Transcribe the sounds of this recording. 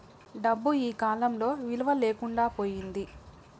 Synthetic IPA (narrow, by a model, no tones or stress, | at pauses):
ɖɐbːuiːkaːlɐmlo̞ːʋilɐʋɐleːkuɳɖaːpo̞ːjind̪i